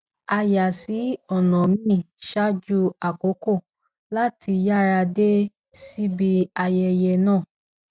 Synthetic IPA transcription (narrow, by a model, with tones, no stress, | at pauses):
a˧ja˨si˨˦ɔ˦˨nɔ̃˨mĩ˦˨ʃa˦d͡ʒu˧a˨ko˨˦ko˦˨ | la˦ti˧ja˦˨ɾa˧de˦ | si˦bi˧a˧jɛ˧jɛ˧nãː˦˨